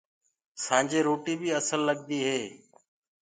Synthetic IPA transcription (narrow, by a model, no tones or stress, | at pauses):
sãːɲd͡ʒeːɾoːʈiːbiːəsəlːəɠ̚d̪iːɦeː